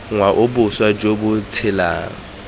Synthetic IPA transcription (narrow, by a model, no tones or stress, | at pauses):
ŋwaʔʊbʊswad͡ʒobʊt͡sʰɪla̰ːŋ̩